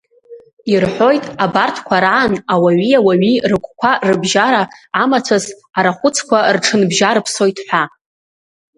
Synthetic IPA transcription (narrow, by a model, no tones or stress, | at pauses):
irħʷo̞jtʼabartʰkʷʰaɾaʕanawaɥiawaɥirɨkʷʰʼkʷʰarɨbʒaɾaːmat͡sʷʰaz | aɾaχʷʊt͡sʰkʷʰarʈ͡ʂʰɨnbʒaɾɨpʰso̞jtʰʼħʷᶣa